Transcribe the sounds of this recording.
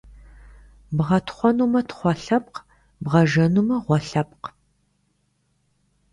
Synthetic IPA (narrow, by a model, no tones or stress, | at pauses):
bʁɐtʰχʷɔnuːmɐtʰχʷɔɬɐp̚q | bʁɐʒɐnumɐʁʷɔɬɐp̚q